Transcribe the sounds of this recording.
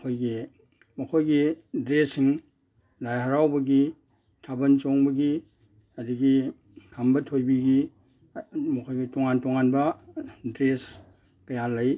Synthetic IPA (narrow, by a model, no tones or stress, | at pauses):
kʰojɡi | mɐkʰojɡidɾesiŋ | lajɦɐɾawbɐɡi | tʰabɐnt͡ʃoŋbɐɡi | ɐdiɡi | kʰambɐtʰojbiɡi | mɐkʰojɡitɔŋantɔŋanbɐdɾes | kɐjalɐj